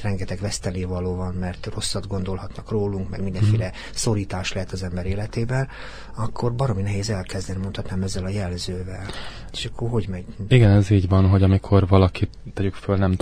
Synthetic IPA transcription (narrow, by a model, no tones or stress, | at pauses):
rɛŋɡɛt̪ɛɡʋɛst̪ɛleːvɒloːvɒnmɛrt̪ro̞sːɒd̪ɡo̞nd̪o̞lhɒt̪nɒkroːluŋkmɛ̰ɡmind̪ɛnfeːlɛ | so̞ɾiːt̪aːʃlɛɦɛt̪ːɒzɛmbɛɾeːlɛt̪eːbɛn | ɒkːo̞rbɒɾominɛɦeːzɛlkɛzd̪ɛnimo̞nt̪hɒt̪naːmɛzːɛlɒjɛlzøːvɛl | eːʃɒkʰːorɦo̞ɟmɛɟiɡɛnɛziːɟʋɒnɦo̞ɟɒmikʰo̞rvɒlɒki | t̪ːɛɟykfølnɛm